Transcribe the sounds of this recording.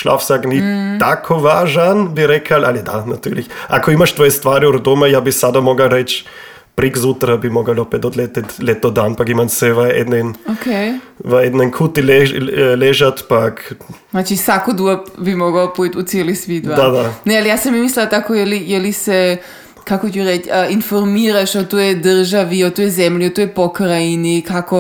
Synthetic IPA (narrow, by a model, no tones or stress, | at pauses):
ʃla̰fsaknit̪akʰoʋaːʒanbiɾɛkʰalʔalid̪anat̪yɾliçakoimaʃt̪ʋojest̪ʋaːɾiuɾd̪omajaːbisad̪amoɡalɾɛt͡ʃ | pɾikzut̪ɾabimoɡalopɛt̪od̪lɛt̪ɛt̪lɛt̪od̪anpakimansɛʋaed̪nɛnokejvaɛd̪nɛnkʰut̪ilɛlɛʒat̪pak̪ | at͡ʃisakod̪uapbimoɡaopuit̪ut̪sʲelisʋid̪ʋad̪ad̪anɛalijasamimislɛat̪akojɛlijɛlisɛ | kakocʲuɾɛt͡ʃinfoɾmiɾaʃot̪ojɛd̪r̩ʒaʋiot̪ojɛzɛmʎiot̪ojepokɾainikako